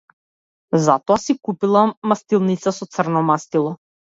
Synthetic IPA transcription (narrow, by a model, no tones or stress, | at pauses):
zat̪ɔasikupilˠaːast̪ilˠnit̪sasɔt̪srnɔmast̪ilˠɔ